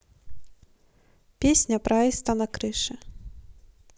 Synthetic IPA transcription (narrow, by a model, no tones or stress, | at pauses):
pʲesʲnʲɐpɾaɛst̪ɐnɐkɾɨʂɨ